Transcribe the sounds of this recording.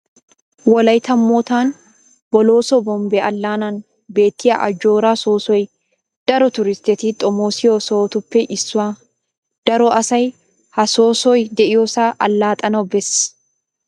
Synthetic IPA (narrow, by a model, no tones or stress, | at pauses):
wɔlɐjt̪ɐmːoːt̪aːn | bɔloːsɔbɔmbɛɐlːaːnan | be̞ːt̪ːɪjɐ̰ʔɐ̰d͡ʒo̞ːɾaːsoːsɔj | d̪̥ɐɾɔt̪ʊɾɪst̪ɛt̪iːt̪ʼɔmoːsɪjosoːt̪ʊpːɛʔɪsːʊaː | d̪̥ɐɾɔʔɐsɐj | hɐsoːsɔjd̪ɛʔɪjoːsaːʔɐlːaːt̪ʼɐnɐbɛs